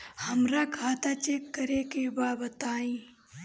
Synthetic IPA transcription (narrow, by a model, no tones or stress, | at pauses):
həmɾakʰaːt̪at͡ʃekːəɾekebaːbət̪aːĩː